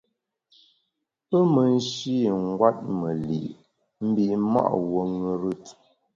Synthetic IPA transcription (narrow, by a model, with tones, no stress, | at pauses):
pə˦mə˨n̩˦ʃi˦ŋ̩˦ɡwa˦t̚mə˨lḭ˨ʔ | m̩˦bi˨ma̰˦ʔwo˨ŋə˨ɾɨ˦t